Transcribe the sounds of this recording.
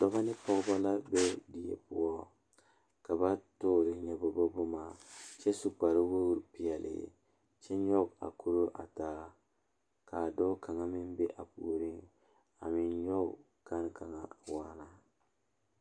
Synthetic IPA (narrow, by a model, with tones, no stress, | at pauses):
dɔ˦ba˦nɪ˦pɔ˦ɡba˦la˦bɛ˦di˨jḛ˨pʊ˦ɔ˦ | ka˨ba˦toː˦ɾɪ˨ɲɛ˨bɔ˨bɔ˦bo˦ma˨t͡ʃɛ˦su˦k͡pa˨ɾi˦wo˦ɾpi˨jɛ˨lɪ̰˨ | t͡ʃɛ˦ɲɔ˦ɡa̰˨ku˦ɾo˦ʔa̰˨taː˦ | ka˨dɔ˦ka˨ŋa˦mɪ˦mbɛ˦ʔa˨pṵː˨ɾi˦ŋ | a̰˨mɪ˨nɲɔ˦ | ka˦nka˨ŋa̰˨wa˦na˨